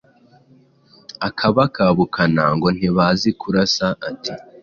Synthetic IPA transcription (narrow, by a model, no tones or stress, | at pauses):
akʰaβakaβukʰanaːŋɡo̞n̥iβazikʰuɾasaʔatʰi